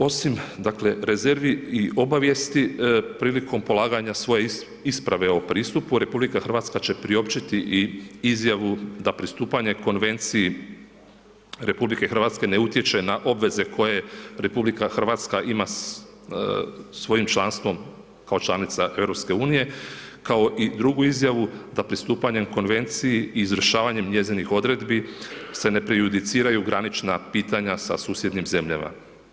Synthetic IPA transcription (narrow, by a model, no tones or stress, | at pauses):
o̞simd̪akle̞ɾe̞ze̞ɾʋiiʔo̞baʋje̞st̪ipɾiːlikʰo̞mpo̞lˠaːɡaɲasʋo̞je | ispɾaʋe̞o̞pɾiːst̪upuɾe̞publikaxr̩ʋaːt̪skat͡ɕe̞pɾio̞pt͡ʃit̪iʔiizjaʋud̪apɾist̪uːpaɲe̞ko̞nʋe̞nt̪siji | ɾe̞publike̞xr̩ʋaːt̪ske̞ne̞ut̪je̞t͡ʃe̞naʔo̞bʋe̞ze̞kʰo̞je̞ɾe̞publikaxr̩ʋat̪skaʔima | sʋo̞jimt͡ʃlˠanst̪ʋo̞m | kao̞t͡ʃlanit̪saʔe̞vɾo̞pske̞uːnije̞kao̞ʔid̪ɾuɡuizjaʋud̪apɾist̪uːpaɲe̞mko̞nʋe̞nt̪sijiiːzʋr̩ʃaːʋaɲe̞mɲe̞zinixo̞d̪ɾe̞d̪bise̞ne̞pɾejud̪it̪siːɾajuɡɾanit͡ʃnapiːt̪aɲasa̰suːsje̞d̪nimze̞mʎa̰ma̰